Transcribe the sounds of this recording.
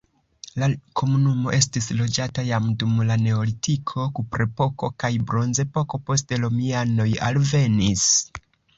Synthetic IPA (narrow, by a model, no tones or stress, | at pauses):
lakʰo̞munumo̞ʔe̞stislo̞d͡ʒatajamdumlane̞olitikʰo̞kupɾe̞po̞ko̞kajbɾo̞nze̞po̞ko̞po̞s̬tlo̞miano̞ja̰lve̞nis